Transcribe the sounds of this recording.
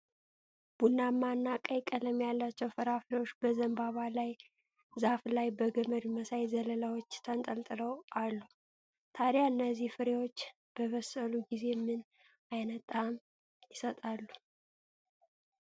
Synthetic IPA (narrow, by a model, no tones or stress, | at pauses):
b̥unːamːanːakʼəjkʼələmjalːat͡ʃːɛwfəɾaflewot͡ʃːbəzəmbaβalaj | zaflajbəɡəməd̪məsajzələlawot͡ʃːt̪ʰənt̪ʼəlt̪ʼɨləwʔalːu | t̪ʰaɾjaɨnːəzːihfɨɾewot͡ʃː | b̥əβəsəluɡize̞mɨn | ajnət̪ʼam | jɪsət̪ʼalːu̥